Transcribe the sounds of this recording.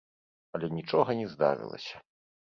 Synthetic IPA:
ɐlʲɛnʲit͡ʂɔɣɐnʲɛzd̪a̰ɾɨ̰lˠɐ̰sʲɐ̥

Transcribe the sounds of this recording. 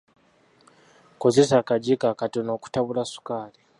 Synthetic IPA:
ko̞zesaːkaɟikakatono̞ːku̥taβulasu̥kaːli

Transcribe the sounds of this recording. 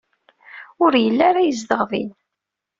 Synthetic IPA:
ʊɾjəlːaɾajəzd̪əʁðḭn

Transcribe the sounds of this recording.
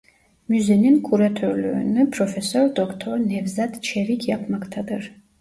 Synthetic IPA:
muzɛninkʰuɾat̪ʰɔɾlɔ̰nɨpʰɾɔfɛsɔɾd̪ɔkʰt̪ʰɔɾnɛvzad̪t͡ʃʰɛɾikʰjapʰmakʰt̪ʰad̪ɨr

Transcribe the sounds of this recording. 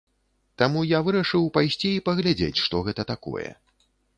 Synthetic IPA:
t̪amujavɨɾɐʂɨwpajsʲt͡sʲiːpɐɣlʲad͡zʲḛt͡sʲʂt̪ɔɣɛt̪ɐt̪akɔ̰jɛ̰

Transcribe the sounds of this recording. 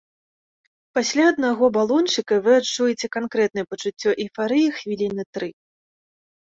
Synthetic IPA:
pasʲlʲaɐd̪naɣɔbalˠɔnt͡ʂɨkɐvɨat͡ʂːujɛt͡sʲɛkankɾɛt̪nɐjɛpɐt͡ʂut͡sʲːɔʔifaɾɨjixvʲilʲinɨt̪ɾɨ

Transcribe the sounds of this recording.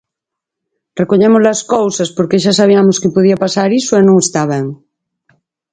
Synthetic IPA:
rekoɲemozlaskowsaspoɾkeʃasaβiamoskepoðiapasaɾisoenõŋest̪aβ̞eŋ

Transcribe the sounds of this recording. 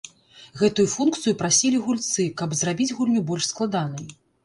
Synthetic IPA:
ɣɛt̪ujufunkt̪sɨjupɾasʲilʲiɣulʲt̪sɨkɐbzrabʲid͡zʲɣulʲnʲubɔlʲʂsklˠad̪anɐj

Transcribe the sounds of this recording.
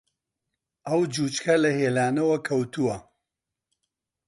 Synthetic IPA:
ɐwd͡ʒuːt͡ʃkʰɐlɐheːlaːnɐwɐkʰɐwt̪uwɐ

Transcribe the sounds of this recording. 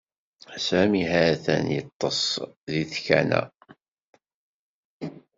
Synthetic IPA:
sæmiɦaθæ̰njət̪ˤːəsˤðiθçæ̰næ̰

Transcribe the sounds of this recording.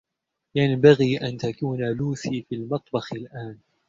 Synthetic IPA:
janbaɣiːʔant̪akuːnaluːθiːfiːlmɑt̪ˤbɑxɪlʔaːn

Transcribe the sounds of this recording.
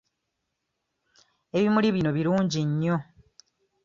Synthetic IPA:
e̞βimuliβino̞βiɾuːɲɟiɲːo̞

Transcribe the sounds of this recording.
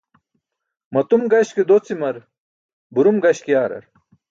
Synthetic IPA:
mɐt̪umɡɐɕked̪ot͡simɐɾ | buɾumɡɐɕkijaːɾɐ̰ɾ

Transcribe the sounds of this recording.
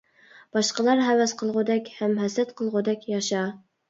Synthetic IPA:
b̥ɑʃqəlˠɑɾɦɛwɛsqʰəlˠʁʊd̪ɛkʲhɛmɦɛsɛt̪qʰəlˠʁʊd̪ɛkʲjɑʃɑ

